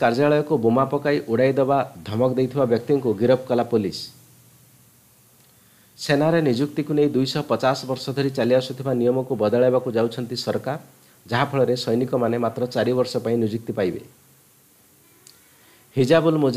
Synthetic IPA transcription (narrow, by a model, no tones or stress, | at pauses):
kaɾd͡ʒaɭɔjɔkubumapɔkajʔuɽajd̪ebad̪ʱɔmɔkd̪ejt̪ʰibabjɔk̚t̪iŋkuɡiɾɔp̚kɔlapolis | senaɾenid͡ʒukt̪ikunejd̪ujsɔpɔt͡ʃasɔbɔɾsɔd̪ʱɔɾit͡ʃaliasut̪ʰibanijɔmɔkubɔd̪ɔɭebakud͡ʒawt͡ʃʰɔnt̪isɔɾkaɾ | d͡ʒaɦapʰɔɭɔɾesɔjnikɔmanemat̪ɾɔt͡ʃaɾibɔɾsɔpaĩnid͡ʒuk̚t̪ipajbḛ | hid͡ʒabulmud͡ʒ